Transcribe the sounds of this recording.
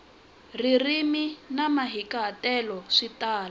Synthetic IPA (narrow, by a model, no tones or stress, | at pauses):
ririminamaɦikaɦːtɛlɔʂitaːla